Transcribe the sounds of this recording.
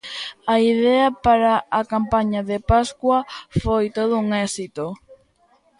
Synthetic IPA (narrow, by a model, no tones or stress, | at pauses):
ɐiðɛɐpaɾaːkampaɲaðepaskwɐfojt̪oð̞ʊuŋɛsit̪o